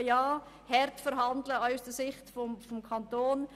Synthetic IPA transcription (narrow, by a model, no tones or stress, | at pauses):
jɑː | hɛɾtfəɾɦɑndləaʊsd̥əsɪχtfɔmfɔmkʰɑntoːn